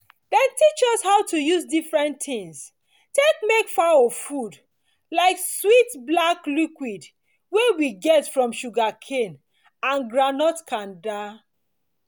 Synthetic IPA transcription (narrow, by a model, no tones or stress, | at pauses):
dɛ̃ntit͡ʃɔshaʊtujusdifɹɛ̃ntĩŋs | tek̚mekfaofud | laɪkswitblaklikwid | wewiɡɛtfɹɔ̃mʃuɡakʰen | ãnɡɹanɔtkʰãnda